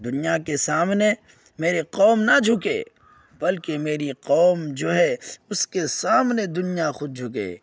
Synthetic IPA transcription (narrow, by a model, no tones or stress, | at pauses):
d̪ʊnijakesaːmne | meːɾeqɔːmnad͡ʒʱʊkḛː | bɐlkemeːɾiqɔːmd͡ʒoːɦɛʊskesaːmned̪ʊnijaxʊd̪̚d͡ʒʱʊkḛː